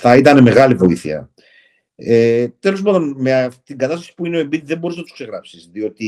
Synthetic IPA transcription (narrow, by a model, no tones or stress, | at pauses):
θɐit̪ɐne̞me̞ɣɐlivo̞iθiɐ̰ | et̪e̞lo̞zmɐlonmet̪iŋɡɐt̪ɐst̪ɐsi̥puineo̞embiððe̞mbo̞ɾiznɐt̪u̥skse̞ɣɾɐpsizðio̞t̪i